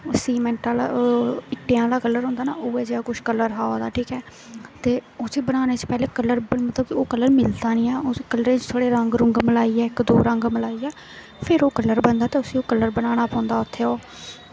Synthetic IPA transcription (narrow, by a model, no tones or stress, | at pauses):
ʊsiːmɛ̃ːɳʈaːlaɪʈːeːãːlaːkəlːəɾɦõːnd̪aːna̰ːoːeːd͡ʒeaːkʊʃkəlːəɾɦaːoːd̪a̰ːʈʰiːkɛː | t̪eːoːsiːbəɽaːneːt͡ʃə̥pɛːleːkəlːəɾbmət̪ləboːkəlːəɾmɪld̪aːnĩːãːoːkələɾẽːt͡ʃt̪ʰoːɽeːɾəŋɡɾʊŋɡməlaːiːɛːɪkd̪o̰ːɾəŋɡməlaːiːɛː | pʰɪɾoːkəlːəɾbənd̪aːt̪eːʊsĩːoːkəlːəɾbəɽ̃aːɽ̃aːpãːnd̪aːʊt̪ʰːeːoː